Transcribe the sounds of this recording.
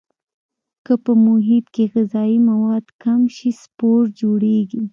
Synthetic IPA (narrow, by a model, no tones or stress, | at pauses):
kəpəmʊɦɪt̪keɣɪzɑimawɑd̪kamʃispoɾd͡ʒoɽeɡi